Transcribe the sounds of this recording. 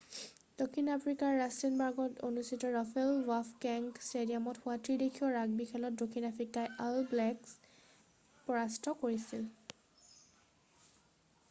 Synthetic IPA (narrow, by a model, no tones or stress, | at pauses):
d̥okʰinapʰɹikaɹːastinbaɹɡɔtonustitɔɹɔfɛlwafkɛŋkstediamɔthʊatɹidekʰiɔɹaɡ̚bixʰɛlɔt̚dokʰinapʰɹikajalblɛks | pɔɹastʰɔkoɹisil